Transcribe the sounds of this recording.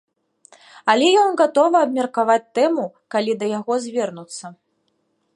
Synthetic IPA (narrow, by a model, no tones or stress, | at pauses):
alʲɛjɔnɣat̪ɔvɐɐbmʲɐrkavat͡sʲt̪ɛmu | kalʲid̪ɐjaɣɔzʲvʲɛrnut̪sːɐ